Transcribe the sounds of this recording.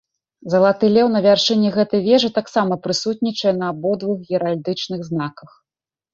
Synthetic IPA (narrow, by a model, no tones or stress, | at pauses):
zɐlˠat̪ɨlʲɛwnɐvʲarʂɨnʲːɛɣɛt̪ɐjvʲɛʐɨt̪aksamɐpɾɨsut̪̚ʲnʲit͡ʂɐjɛnɐbɔd̪vɨxjʲɛɾalʲd̪ɨt͡ʂnɨɣznakɐx